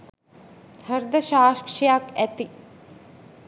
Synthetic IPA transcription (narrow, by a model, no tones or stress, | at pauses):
həɾd̪əʃaːkʂijakæt̪i